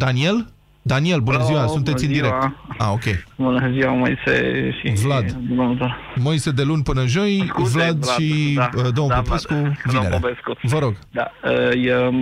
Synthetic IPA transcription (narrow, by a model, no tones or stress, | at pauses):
d̪̥anie̞l | d̪anie̞lbunəziwasuneiɨnd̪iɾe̞k̪̚a̰okʲe̞jbunəziwamojsḛʃivlad̪bunomt̪o | mojse̞d̪e̞lunʲpɨnəʒo̞jvlad̪lʃid̪onpopeskuvie̞ɾʔḛpeskuvəɾo̞ɡd̪a̰əjə